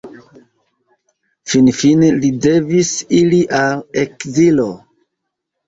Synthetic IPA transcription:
finfinelide̞visiliʔalekzilo̞

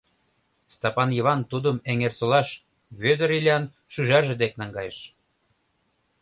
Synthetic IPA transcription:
st̪ɑpɑnjɤβɑnt̪ud̪əmeŋersolɑʃ | βød̪ə̆ɾilʲiɑn | ʃyʒɑrʒĕd̪ek̚nɑŋɡɑjeʃ

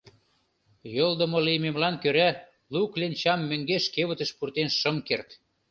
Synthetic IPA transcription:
jold̪ə̆molijmemlɑnkøɾæ | luklent͡ɕɑmːøŋɡeʃkeβə̆t̪ə̆ʃpurt̪enʃəmkert̪

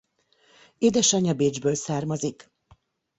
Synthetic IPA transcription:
eːd̪ɛʃɒɲɒbeːd͡ʒbøːlsaːrmɒzik

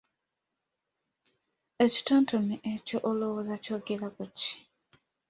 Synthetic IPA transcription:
eci̥toːntʰomiʔecoʔolowozacoɡelakuci̥

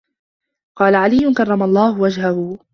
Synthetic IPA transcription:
qɑːlaʕalɪjːʊnkɑrˤːɑmaʔlˤːɑːhʊwad͡ʒɦahʊ

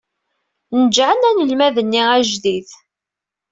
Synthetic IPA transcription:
nəd͡ʒʕənænəlmæðənːiæʒðiθ

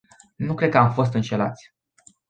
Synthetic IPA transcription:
nukɾekəamfo̞s̬t̪ɨnʃe̞lat̪sʲ

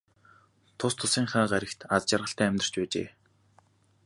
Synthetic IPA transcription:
t̪ʰʊst̪ʰʊsiːŋχaːɢaɾʲɪ̆kt̪at͡st͡ɕarʁə̆ɬt̪æːmʲt̪ə̆r̥t͡ɕpæːt͡ɕḛː

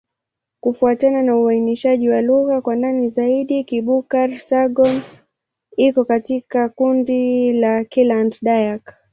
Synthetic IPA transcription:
kufuatananauainiʃaʄiwaluɣakwananizaiɗikiɓukaɾsaɡɔn | ikɔkatikakundilakilandɗajak

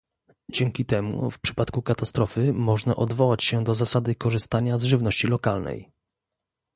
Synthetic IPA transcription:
d͡ʑɛŋkʲit̪ɛmṵfpʂɘ̥pat̪kukat̪ast̪ɾɔfɘmɔʐna̰ʔɔd̪vɔwat͡ɕɕɛd̪ɔzasad̪ɘkɔʐɘst̪aɲazʐɘvnɔɕt͡ɕilɔkalnɛ̰j

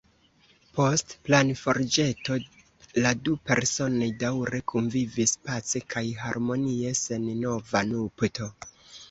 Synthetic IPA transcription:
po̞stplanfo̞ɾd͡ʒe̞to̞ | ladupe̞ɾso̞no̞jdawɾe̞kʰunvivispat͡sekʰajɦaɾmo̞nie̞se̞nːo̞vanupto̞

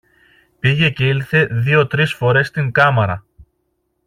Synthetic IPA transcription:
piʝe̞ce̞ilθe̞ðio̞t̪ɾisfo̞ɾe̞st̪iŋkɐmɐɾɐ

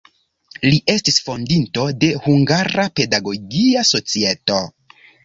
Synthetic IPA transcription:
liʔe̞stisfo̞ndinto̞de̞huŋɡaɾape̞daɡo̞ɡiaso̞t͡sie̞to̞

